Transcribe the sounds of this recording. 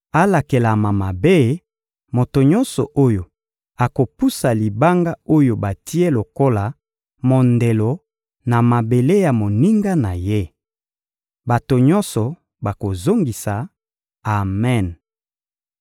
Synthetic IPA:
a˦la˨ke˨la˨ma˨ma˨be˦ | mo˨to˨ɲɔ˦nsɔ̰˨ʔo˦jo˨ | a˨ko˨pu˦sa˨li˨ba˦ŋɡa˦o˦jo˨ba˨tʰi˦e˦lo˨ko˦la˨ | mo˨nde˨lo˨ | na˨ma˨be˨le˦ja˨mo˨ni˦ŋɡa˦na˨je˦ | ba˨to˨ɲɔ̃˦nsɔ˨ | ba˨ko˨zo˦ŋɡi˨saː˨ | mɛ˦˨n

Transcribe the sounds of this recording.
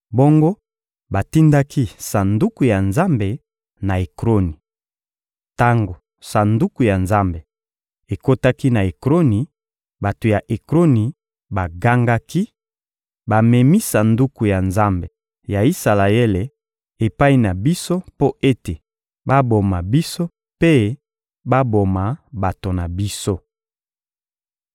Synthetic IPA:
bo˦ŋɡo˦ | ba˨ti˦nda˦ki˦sa˨ndu˦ku˨ja˨nza˦mbe˨ | na˨e˨kʁo˦ni˨ | ta˦ŋɡo˨ | sa˨ndu˦ku˨ja˨nza˦mbe˨ | e˨ko˦ta˦ki˦na˨e˨kʁo˦ni˨ | ba˨to˨ja˨ʔe˨kʁo˦ni˨ | ba˨ɡa˦ŋɡa˦ki˦ | ba˨me˨mi˦sa˨ndu˦ku˨ja˨nza˦mbe˨ | ja˨i˦sa˨la˨e˦le˨ | e˨pa˦i˦na˨bi˦so˦po˦ʔe˦te˨ | ba˦bo˨ma˨bi˦so˦ | pe˦ | ba˦bo˨ma˨ba˨to˨na˨bi˦so˦

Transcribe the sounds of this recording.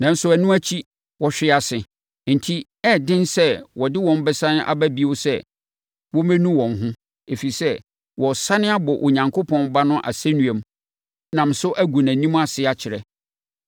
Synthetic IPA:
nã˨n̩˦sʊ˨˦æ˨nũ˦æ˦t͡ɕʰi˦ | wɔ˨ɕᶣɪ˦a˨sɪ˨ | n̩˨tʰi˦ | ɛː˦˨dɪ̃˦nsɛ˦wɔ˨dɪ˦wɔ̃˦m˦bɛ˦sã˦nɪ̃˦ʔa̰˨bæ˦bi˦o˦sɛ˦ | wɔ˦mæ̃˦nũ˦wɔ̃˨nɦʊ̃˦ | e˨fi˨sɛ˦ | wɔ˨sa˦nɪ̃˦a˦bɔ˨ʔo˨ɲã˨ŋkʰo˦pʰɔ̃˦nba˦nʊ̃˦ʔa̰˨sæ˦nũ˨ɛ̃˨m | nã˨m˨sʊ˦ʔæ˦ɡʷu˨næ̃˨nĩ˦m˦a˨sɪ˦a˨t͡ɕʰɪ˨ɾɛ̰˨

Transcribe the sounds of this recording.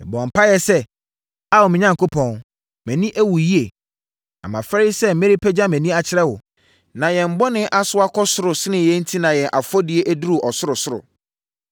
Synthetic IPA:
bɔ̃˨m̩˨pʰa˦jɛ˨sɛ˦ | a˦˨wʊ˨mɪ̃˨ɲã˦ŋko˦pʰɔ̃˨n | mɛ̃˨nĩ˦ʔæ˦wu˨ji˦e˨ | ã̰˨mã˨fɛ˦i˦sɛ˦˨m̩˨me˦ɾi˦pʰɛ˦d͡ʑa˦mɛ̃˨nĩ˦a˨t͡ɕʰɪ˦ɾɛ˦wʊ˨ | nã˨jɛ̃˨m̩˨bɔ˦nɪ̃˦ʔa˦sʊ˦a˦kʰɔ˦sʊ˦ɾʊ˨sɪ˦nɪ̃˨jɛ˦n̩˦tʰĩ˦nã˨jɛ̃˨ʔa˨fɔ˦dɪ˨˦e˦ʔæ˦du˦ɾu˨ʔɔ˨sʊ˦ɾʊ˨sʊ˦ɾʊ̰˨

